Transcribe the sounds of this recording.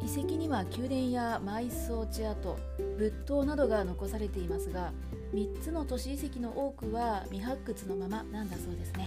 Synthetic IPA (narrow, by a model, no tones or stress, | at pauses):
ise̞kʲiɲ̟iβakʲɨːd̪ẽ̞ɰ̃jamaiso̞ːt͡ɕiat̪o̞̰ | bɯ̟t̪ːo̞ːnad̪o̞ɡano̞ko̞saɾe̞t̪e̞imasɨɡa | mʲit͡sɨno̞t̪o̞ɕiːse̞kʲino̞ʔo̞ːkɯ̟βamʲiɦakːɯt͡sɨno̞mamanãnd̪aso̞ːd̪e̞sɨne̞